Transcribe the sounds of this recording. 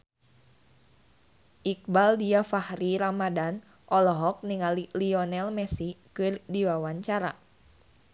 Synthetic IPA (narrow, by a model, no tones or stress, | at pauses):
ʔik̚baldiafahɾiɾamadan | ʔɔlɔɦɔk̚niŋaliliɔnɛlmɛsikɨrdiwawaɲt͡ʃaɾa̰